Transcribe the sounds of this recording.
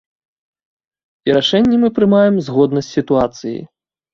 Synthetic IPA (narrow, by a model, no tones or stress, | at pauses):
iɾaʂɛnʲːɛmɨpɾɨmajɛmzɣɔd̪nɐsʲtʲsʲit̪uat̪sɨjḭ